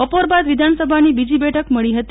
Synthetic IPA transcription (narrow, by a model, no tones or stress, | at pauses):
əpoɾbad̪ʋid̪ʱansəbʱanibid͡ʒibɛʈʰəkməɭiɦət̪